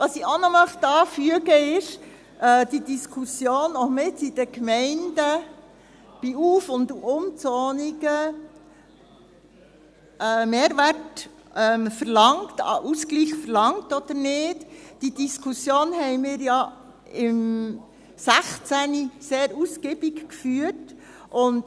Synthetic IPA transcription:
ʋɑsionɔmœχtɑːfyəɡəɪʃ | ɛd̥idiskʰusjoːnomɪtid̥əkmɛɪndə | b̥iuːfʊnd̪uʊmt͡sɔːniɡə | ɛːmeːɾʋært | ɛmfəɾlɑŋtɑ̰ʔuskliːxfəɾlɑŋtɔd̥̪əɾnɪtd̥id̥iskʰusjoːnhɛɪmɪːɾjɑ | ɪm | sæχt͡sæniseːɾusɡɪbikkfyːət | ʔʊnt

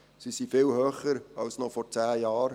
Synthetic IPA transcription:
sisifɪlhøːχəɾɑlsnɔfɔrt͡sæːjɑːɾ

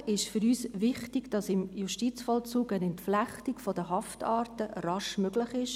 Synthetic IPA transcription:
ɪʃfʏɾyːsʋɪχtɪɡd̥ɑsɪmjuʃtit͡sfɔlt͡suːɡənɛntflæχtikfɔd̥əɦɑftɑːɾtərɑʃmøɡlɪχɪʃ

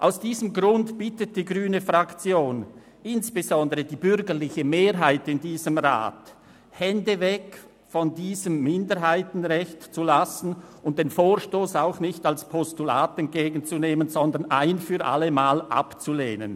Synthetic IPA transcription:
ʔa̰ʊsd̥iːzəmɡʁʊntb̥ɪtət̚d̥iːɡʁyːnəfʁakt͡sjoːn | ɪnsb̥ezɔndəʁədiːbʏɾɡəʁlɪçəmeːɾɦaɪtɪndiːzəmʁa̰ːt | hɛndəvɛk | fɔndiːzəmːɪndəɾɦaɪtn̩ʁɛçtt͡sulasn̩ʊnt̚d̥eːnfoːɾʃtoːsaʊxnɪçtalspʰɔstula̰ːtɛnt̚ɡ̥eːɡn̩t͡suneːmənzɔndənʔa̰ɪnfyːɾʔa̰ləmaːlʔa̰pt͡suleːnən

